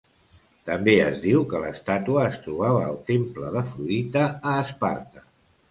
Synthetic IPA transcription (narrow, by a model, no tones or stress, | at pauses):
t̪əmbeəzðiwkələst̪at̪uəːst̪ɾuβ̞aβəːlˠt̪empləðəfɾuit̪əːspa̰ɾt̪ə